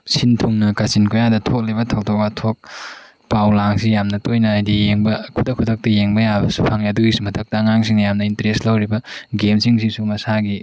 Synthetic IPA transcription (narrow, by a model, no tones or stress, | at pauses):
sintʰuŋnɐkɐsinkojadɐtʰok̚lebɐtʰɐwdok̚atʰok̚ | pawlaŋsijamnɐtojnɐːjdijeŋbɐkʰudɐkʰːudʰɐk̚tɐjeŋbɐjabɐsu̥pʰaŋiɐduɡisumɐtʰɐk̚tɐːŋaŋsiŋnɐjamnɐintɐɾestlɐwɾibɐɡemsiŋsiŋsumɐsaɡi